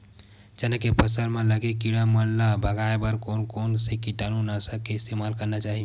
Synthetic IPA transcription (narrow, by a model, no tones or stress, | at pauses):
d͡ʒənəkepʰəsəlmẽləɡekiɽamənlabʱəɡaebəɾkonkonsekiʈanunasəkeɪst̪emalkəɾnat͡ʃaɦi